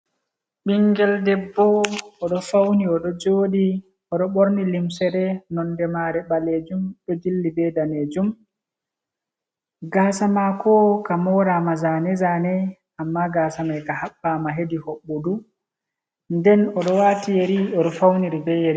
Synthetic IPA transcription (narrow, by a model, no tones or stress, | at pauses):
ɓiŋɡɛldɛbːɔːɗɔfawniɔɗɔd͡ʒoːɗi | ɔɗɔɓoɾnilimsɛɾɛnɔndɛmaɾɛɓaled͡ʒumɓɛd͡ʒilːibɛdaneːd͡ʒum | ɡasamakʰɔkamɔːɾamazanɛzaːnɛ | amːaɡaːsamajkahaɓːamaɦedihɔɓːodu | ndɛnɔɗɔwaːtijeɾiɔɗɔfawniɾibɛjeɾi